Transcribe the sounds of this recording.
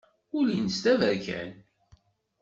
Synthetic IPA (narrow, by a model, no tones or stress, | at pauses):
ʊlinəst̪ævæɾkæ̰n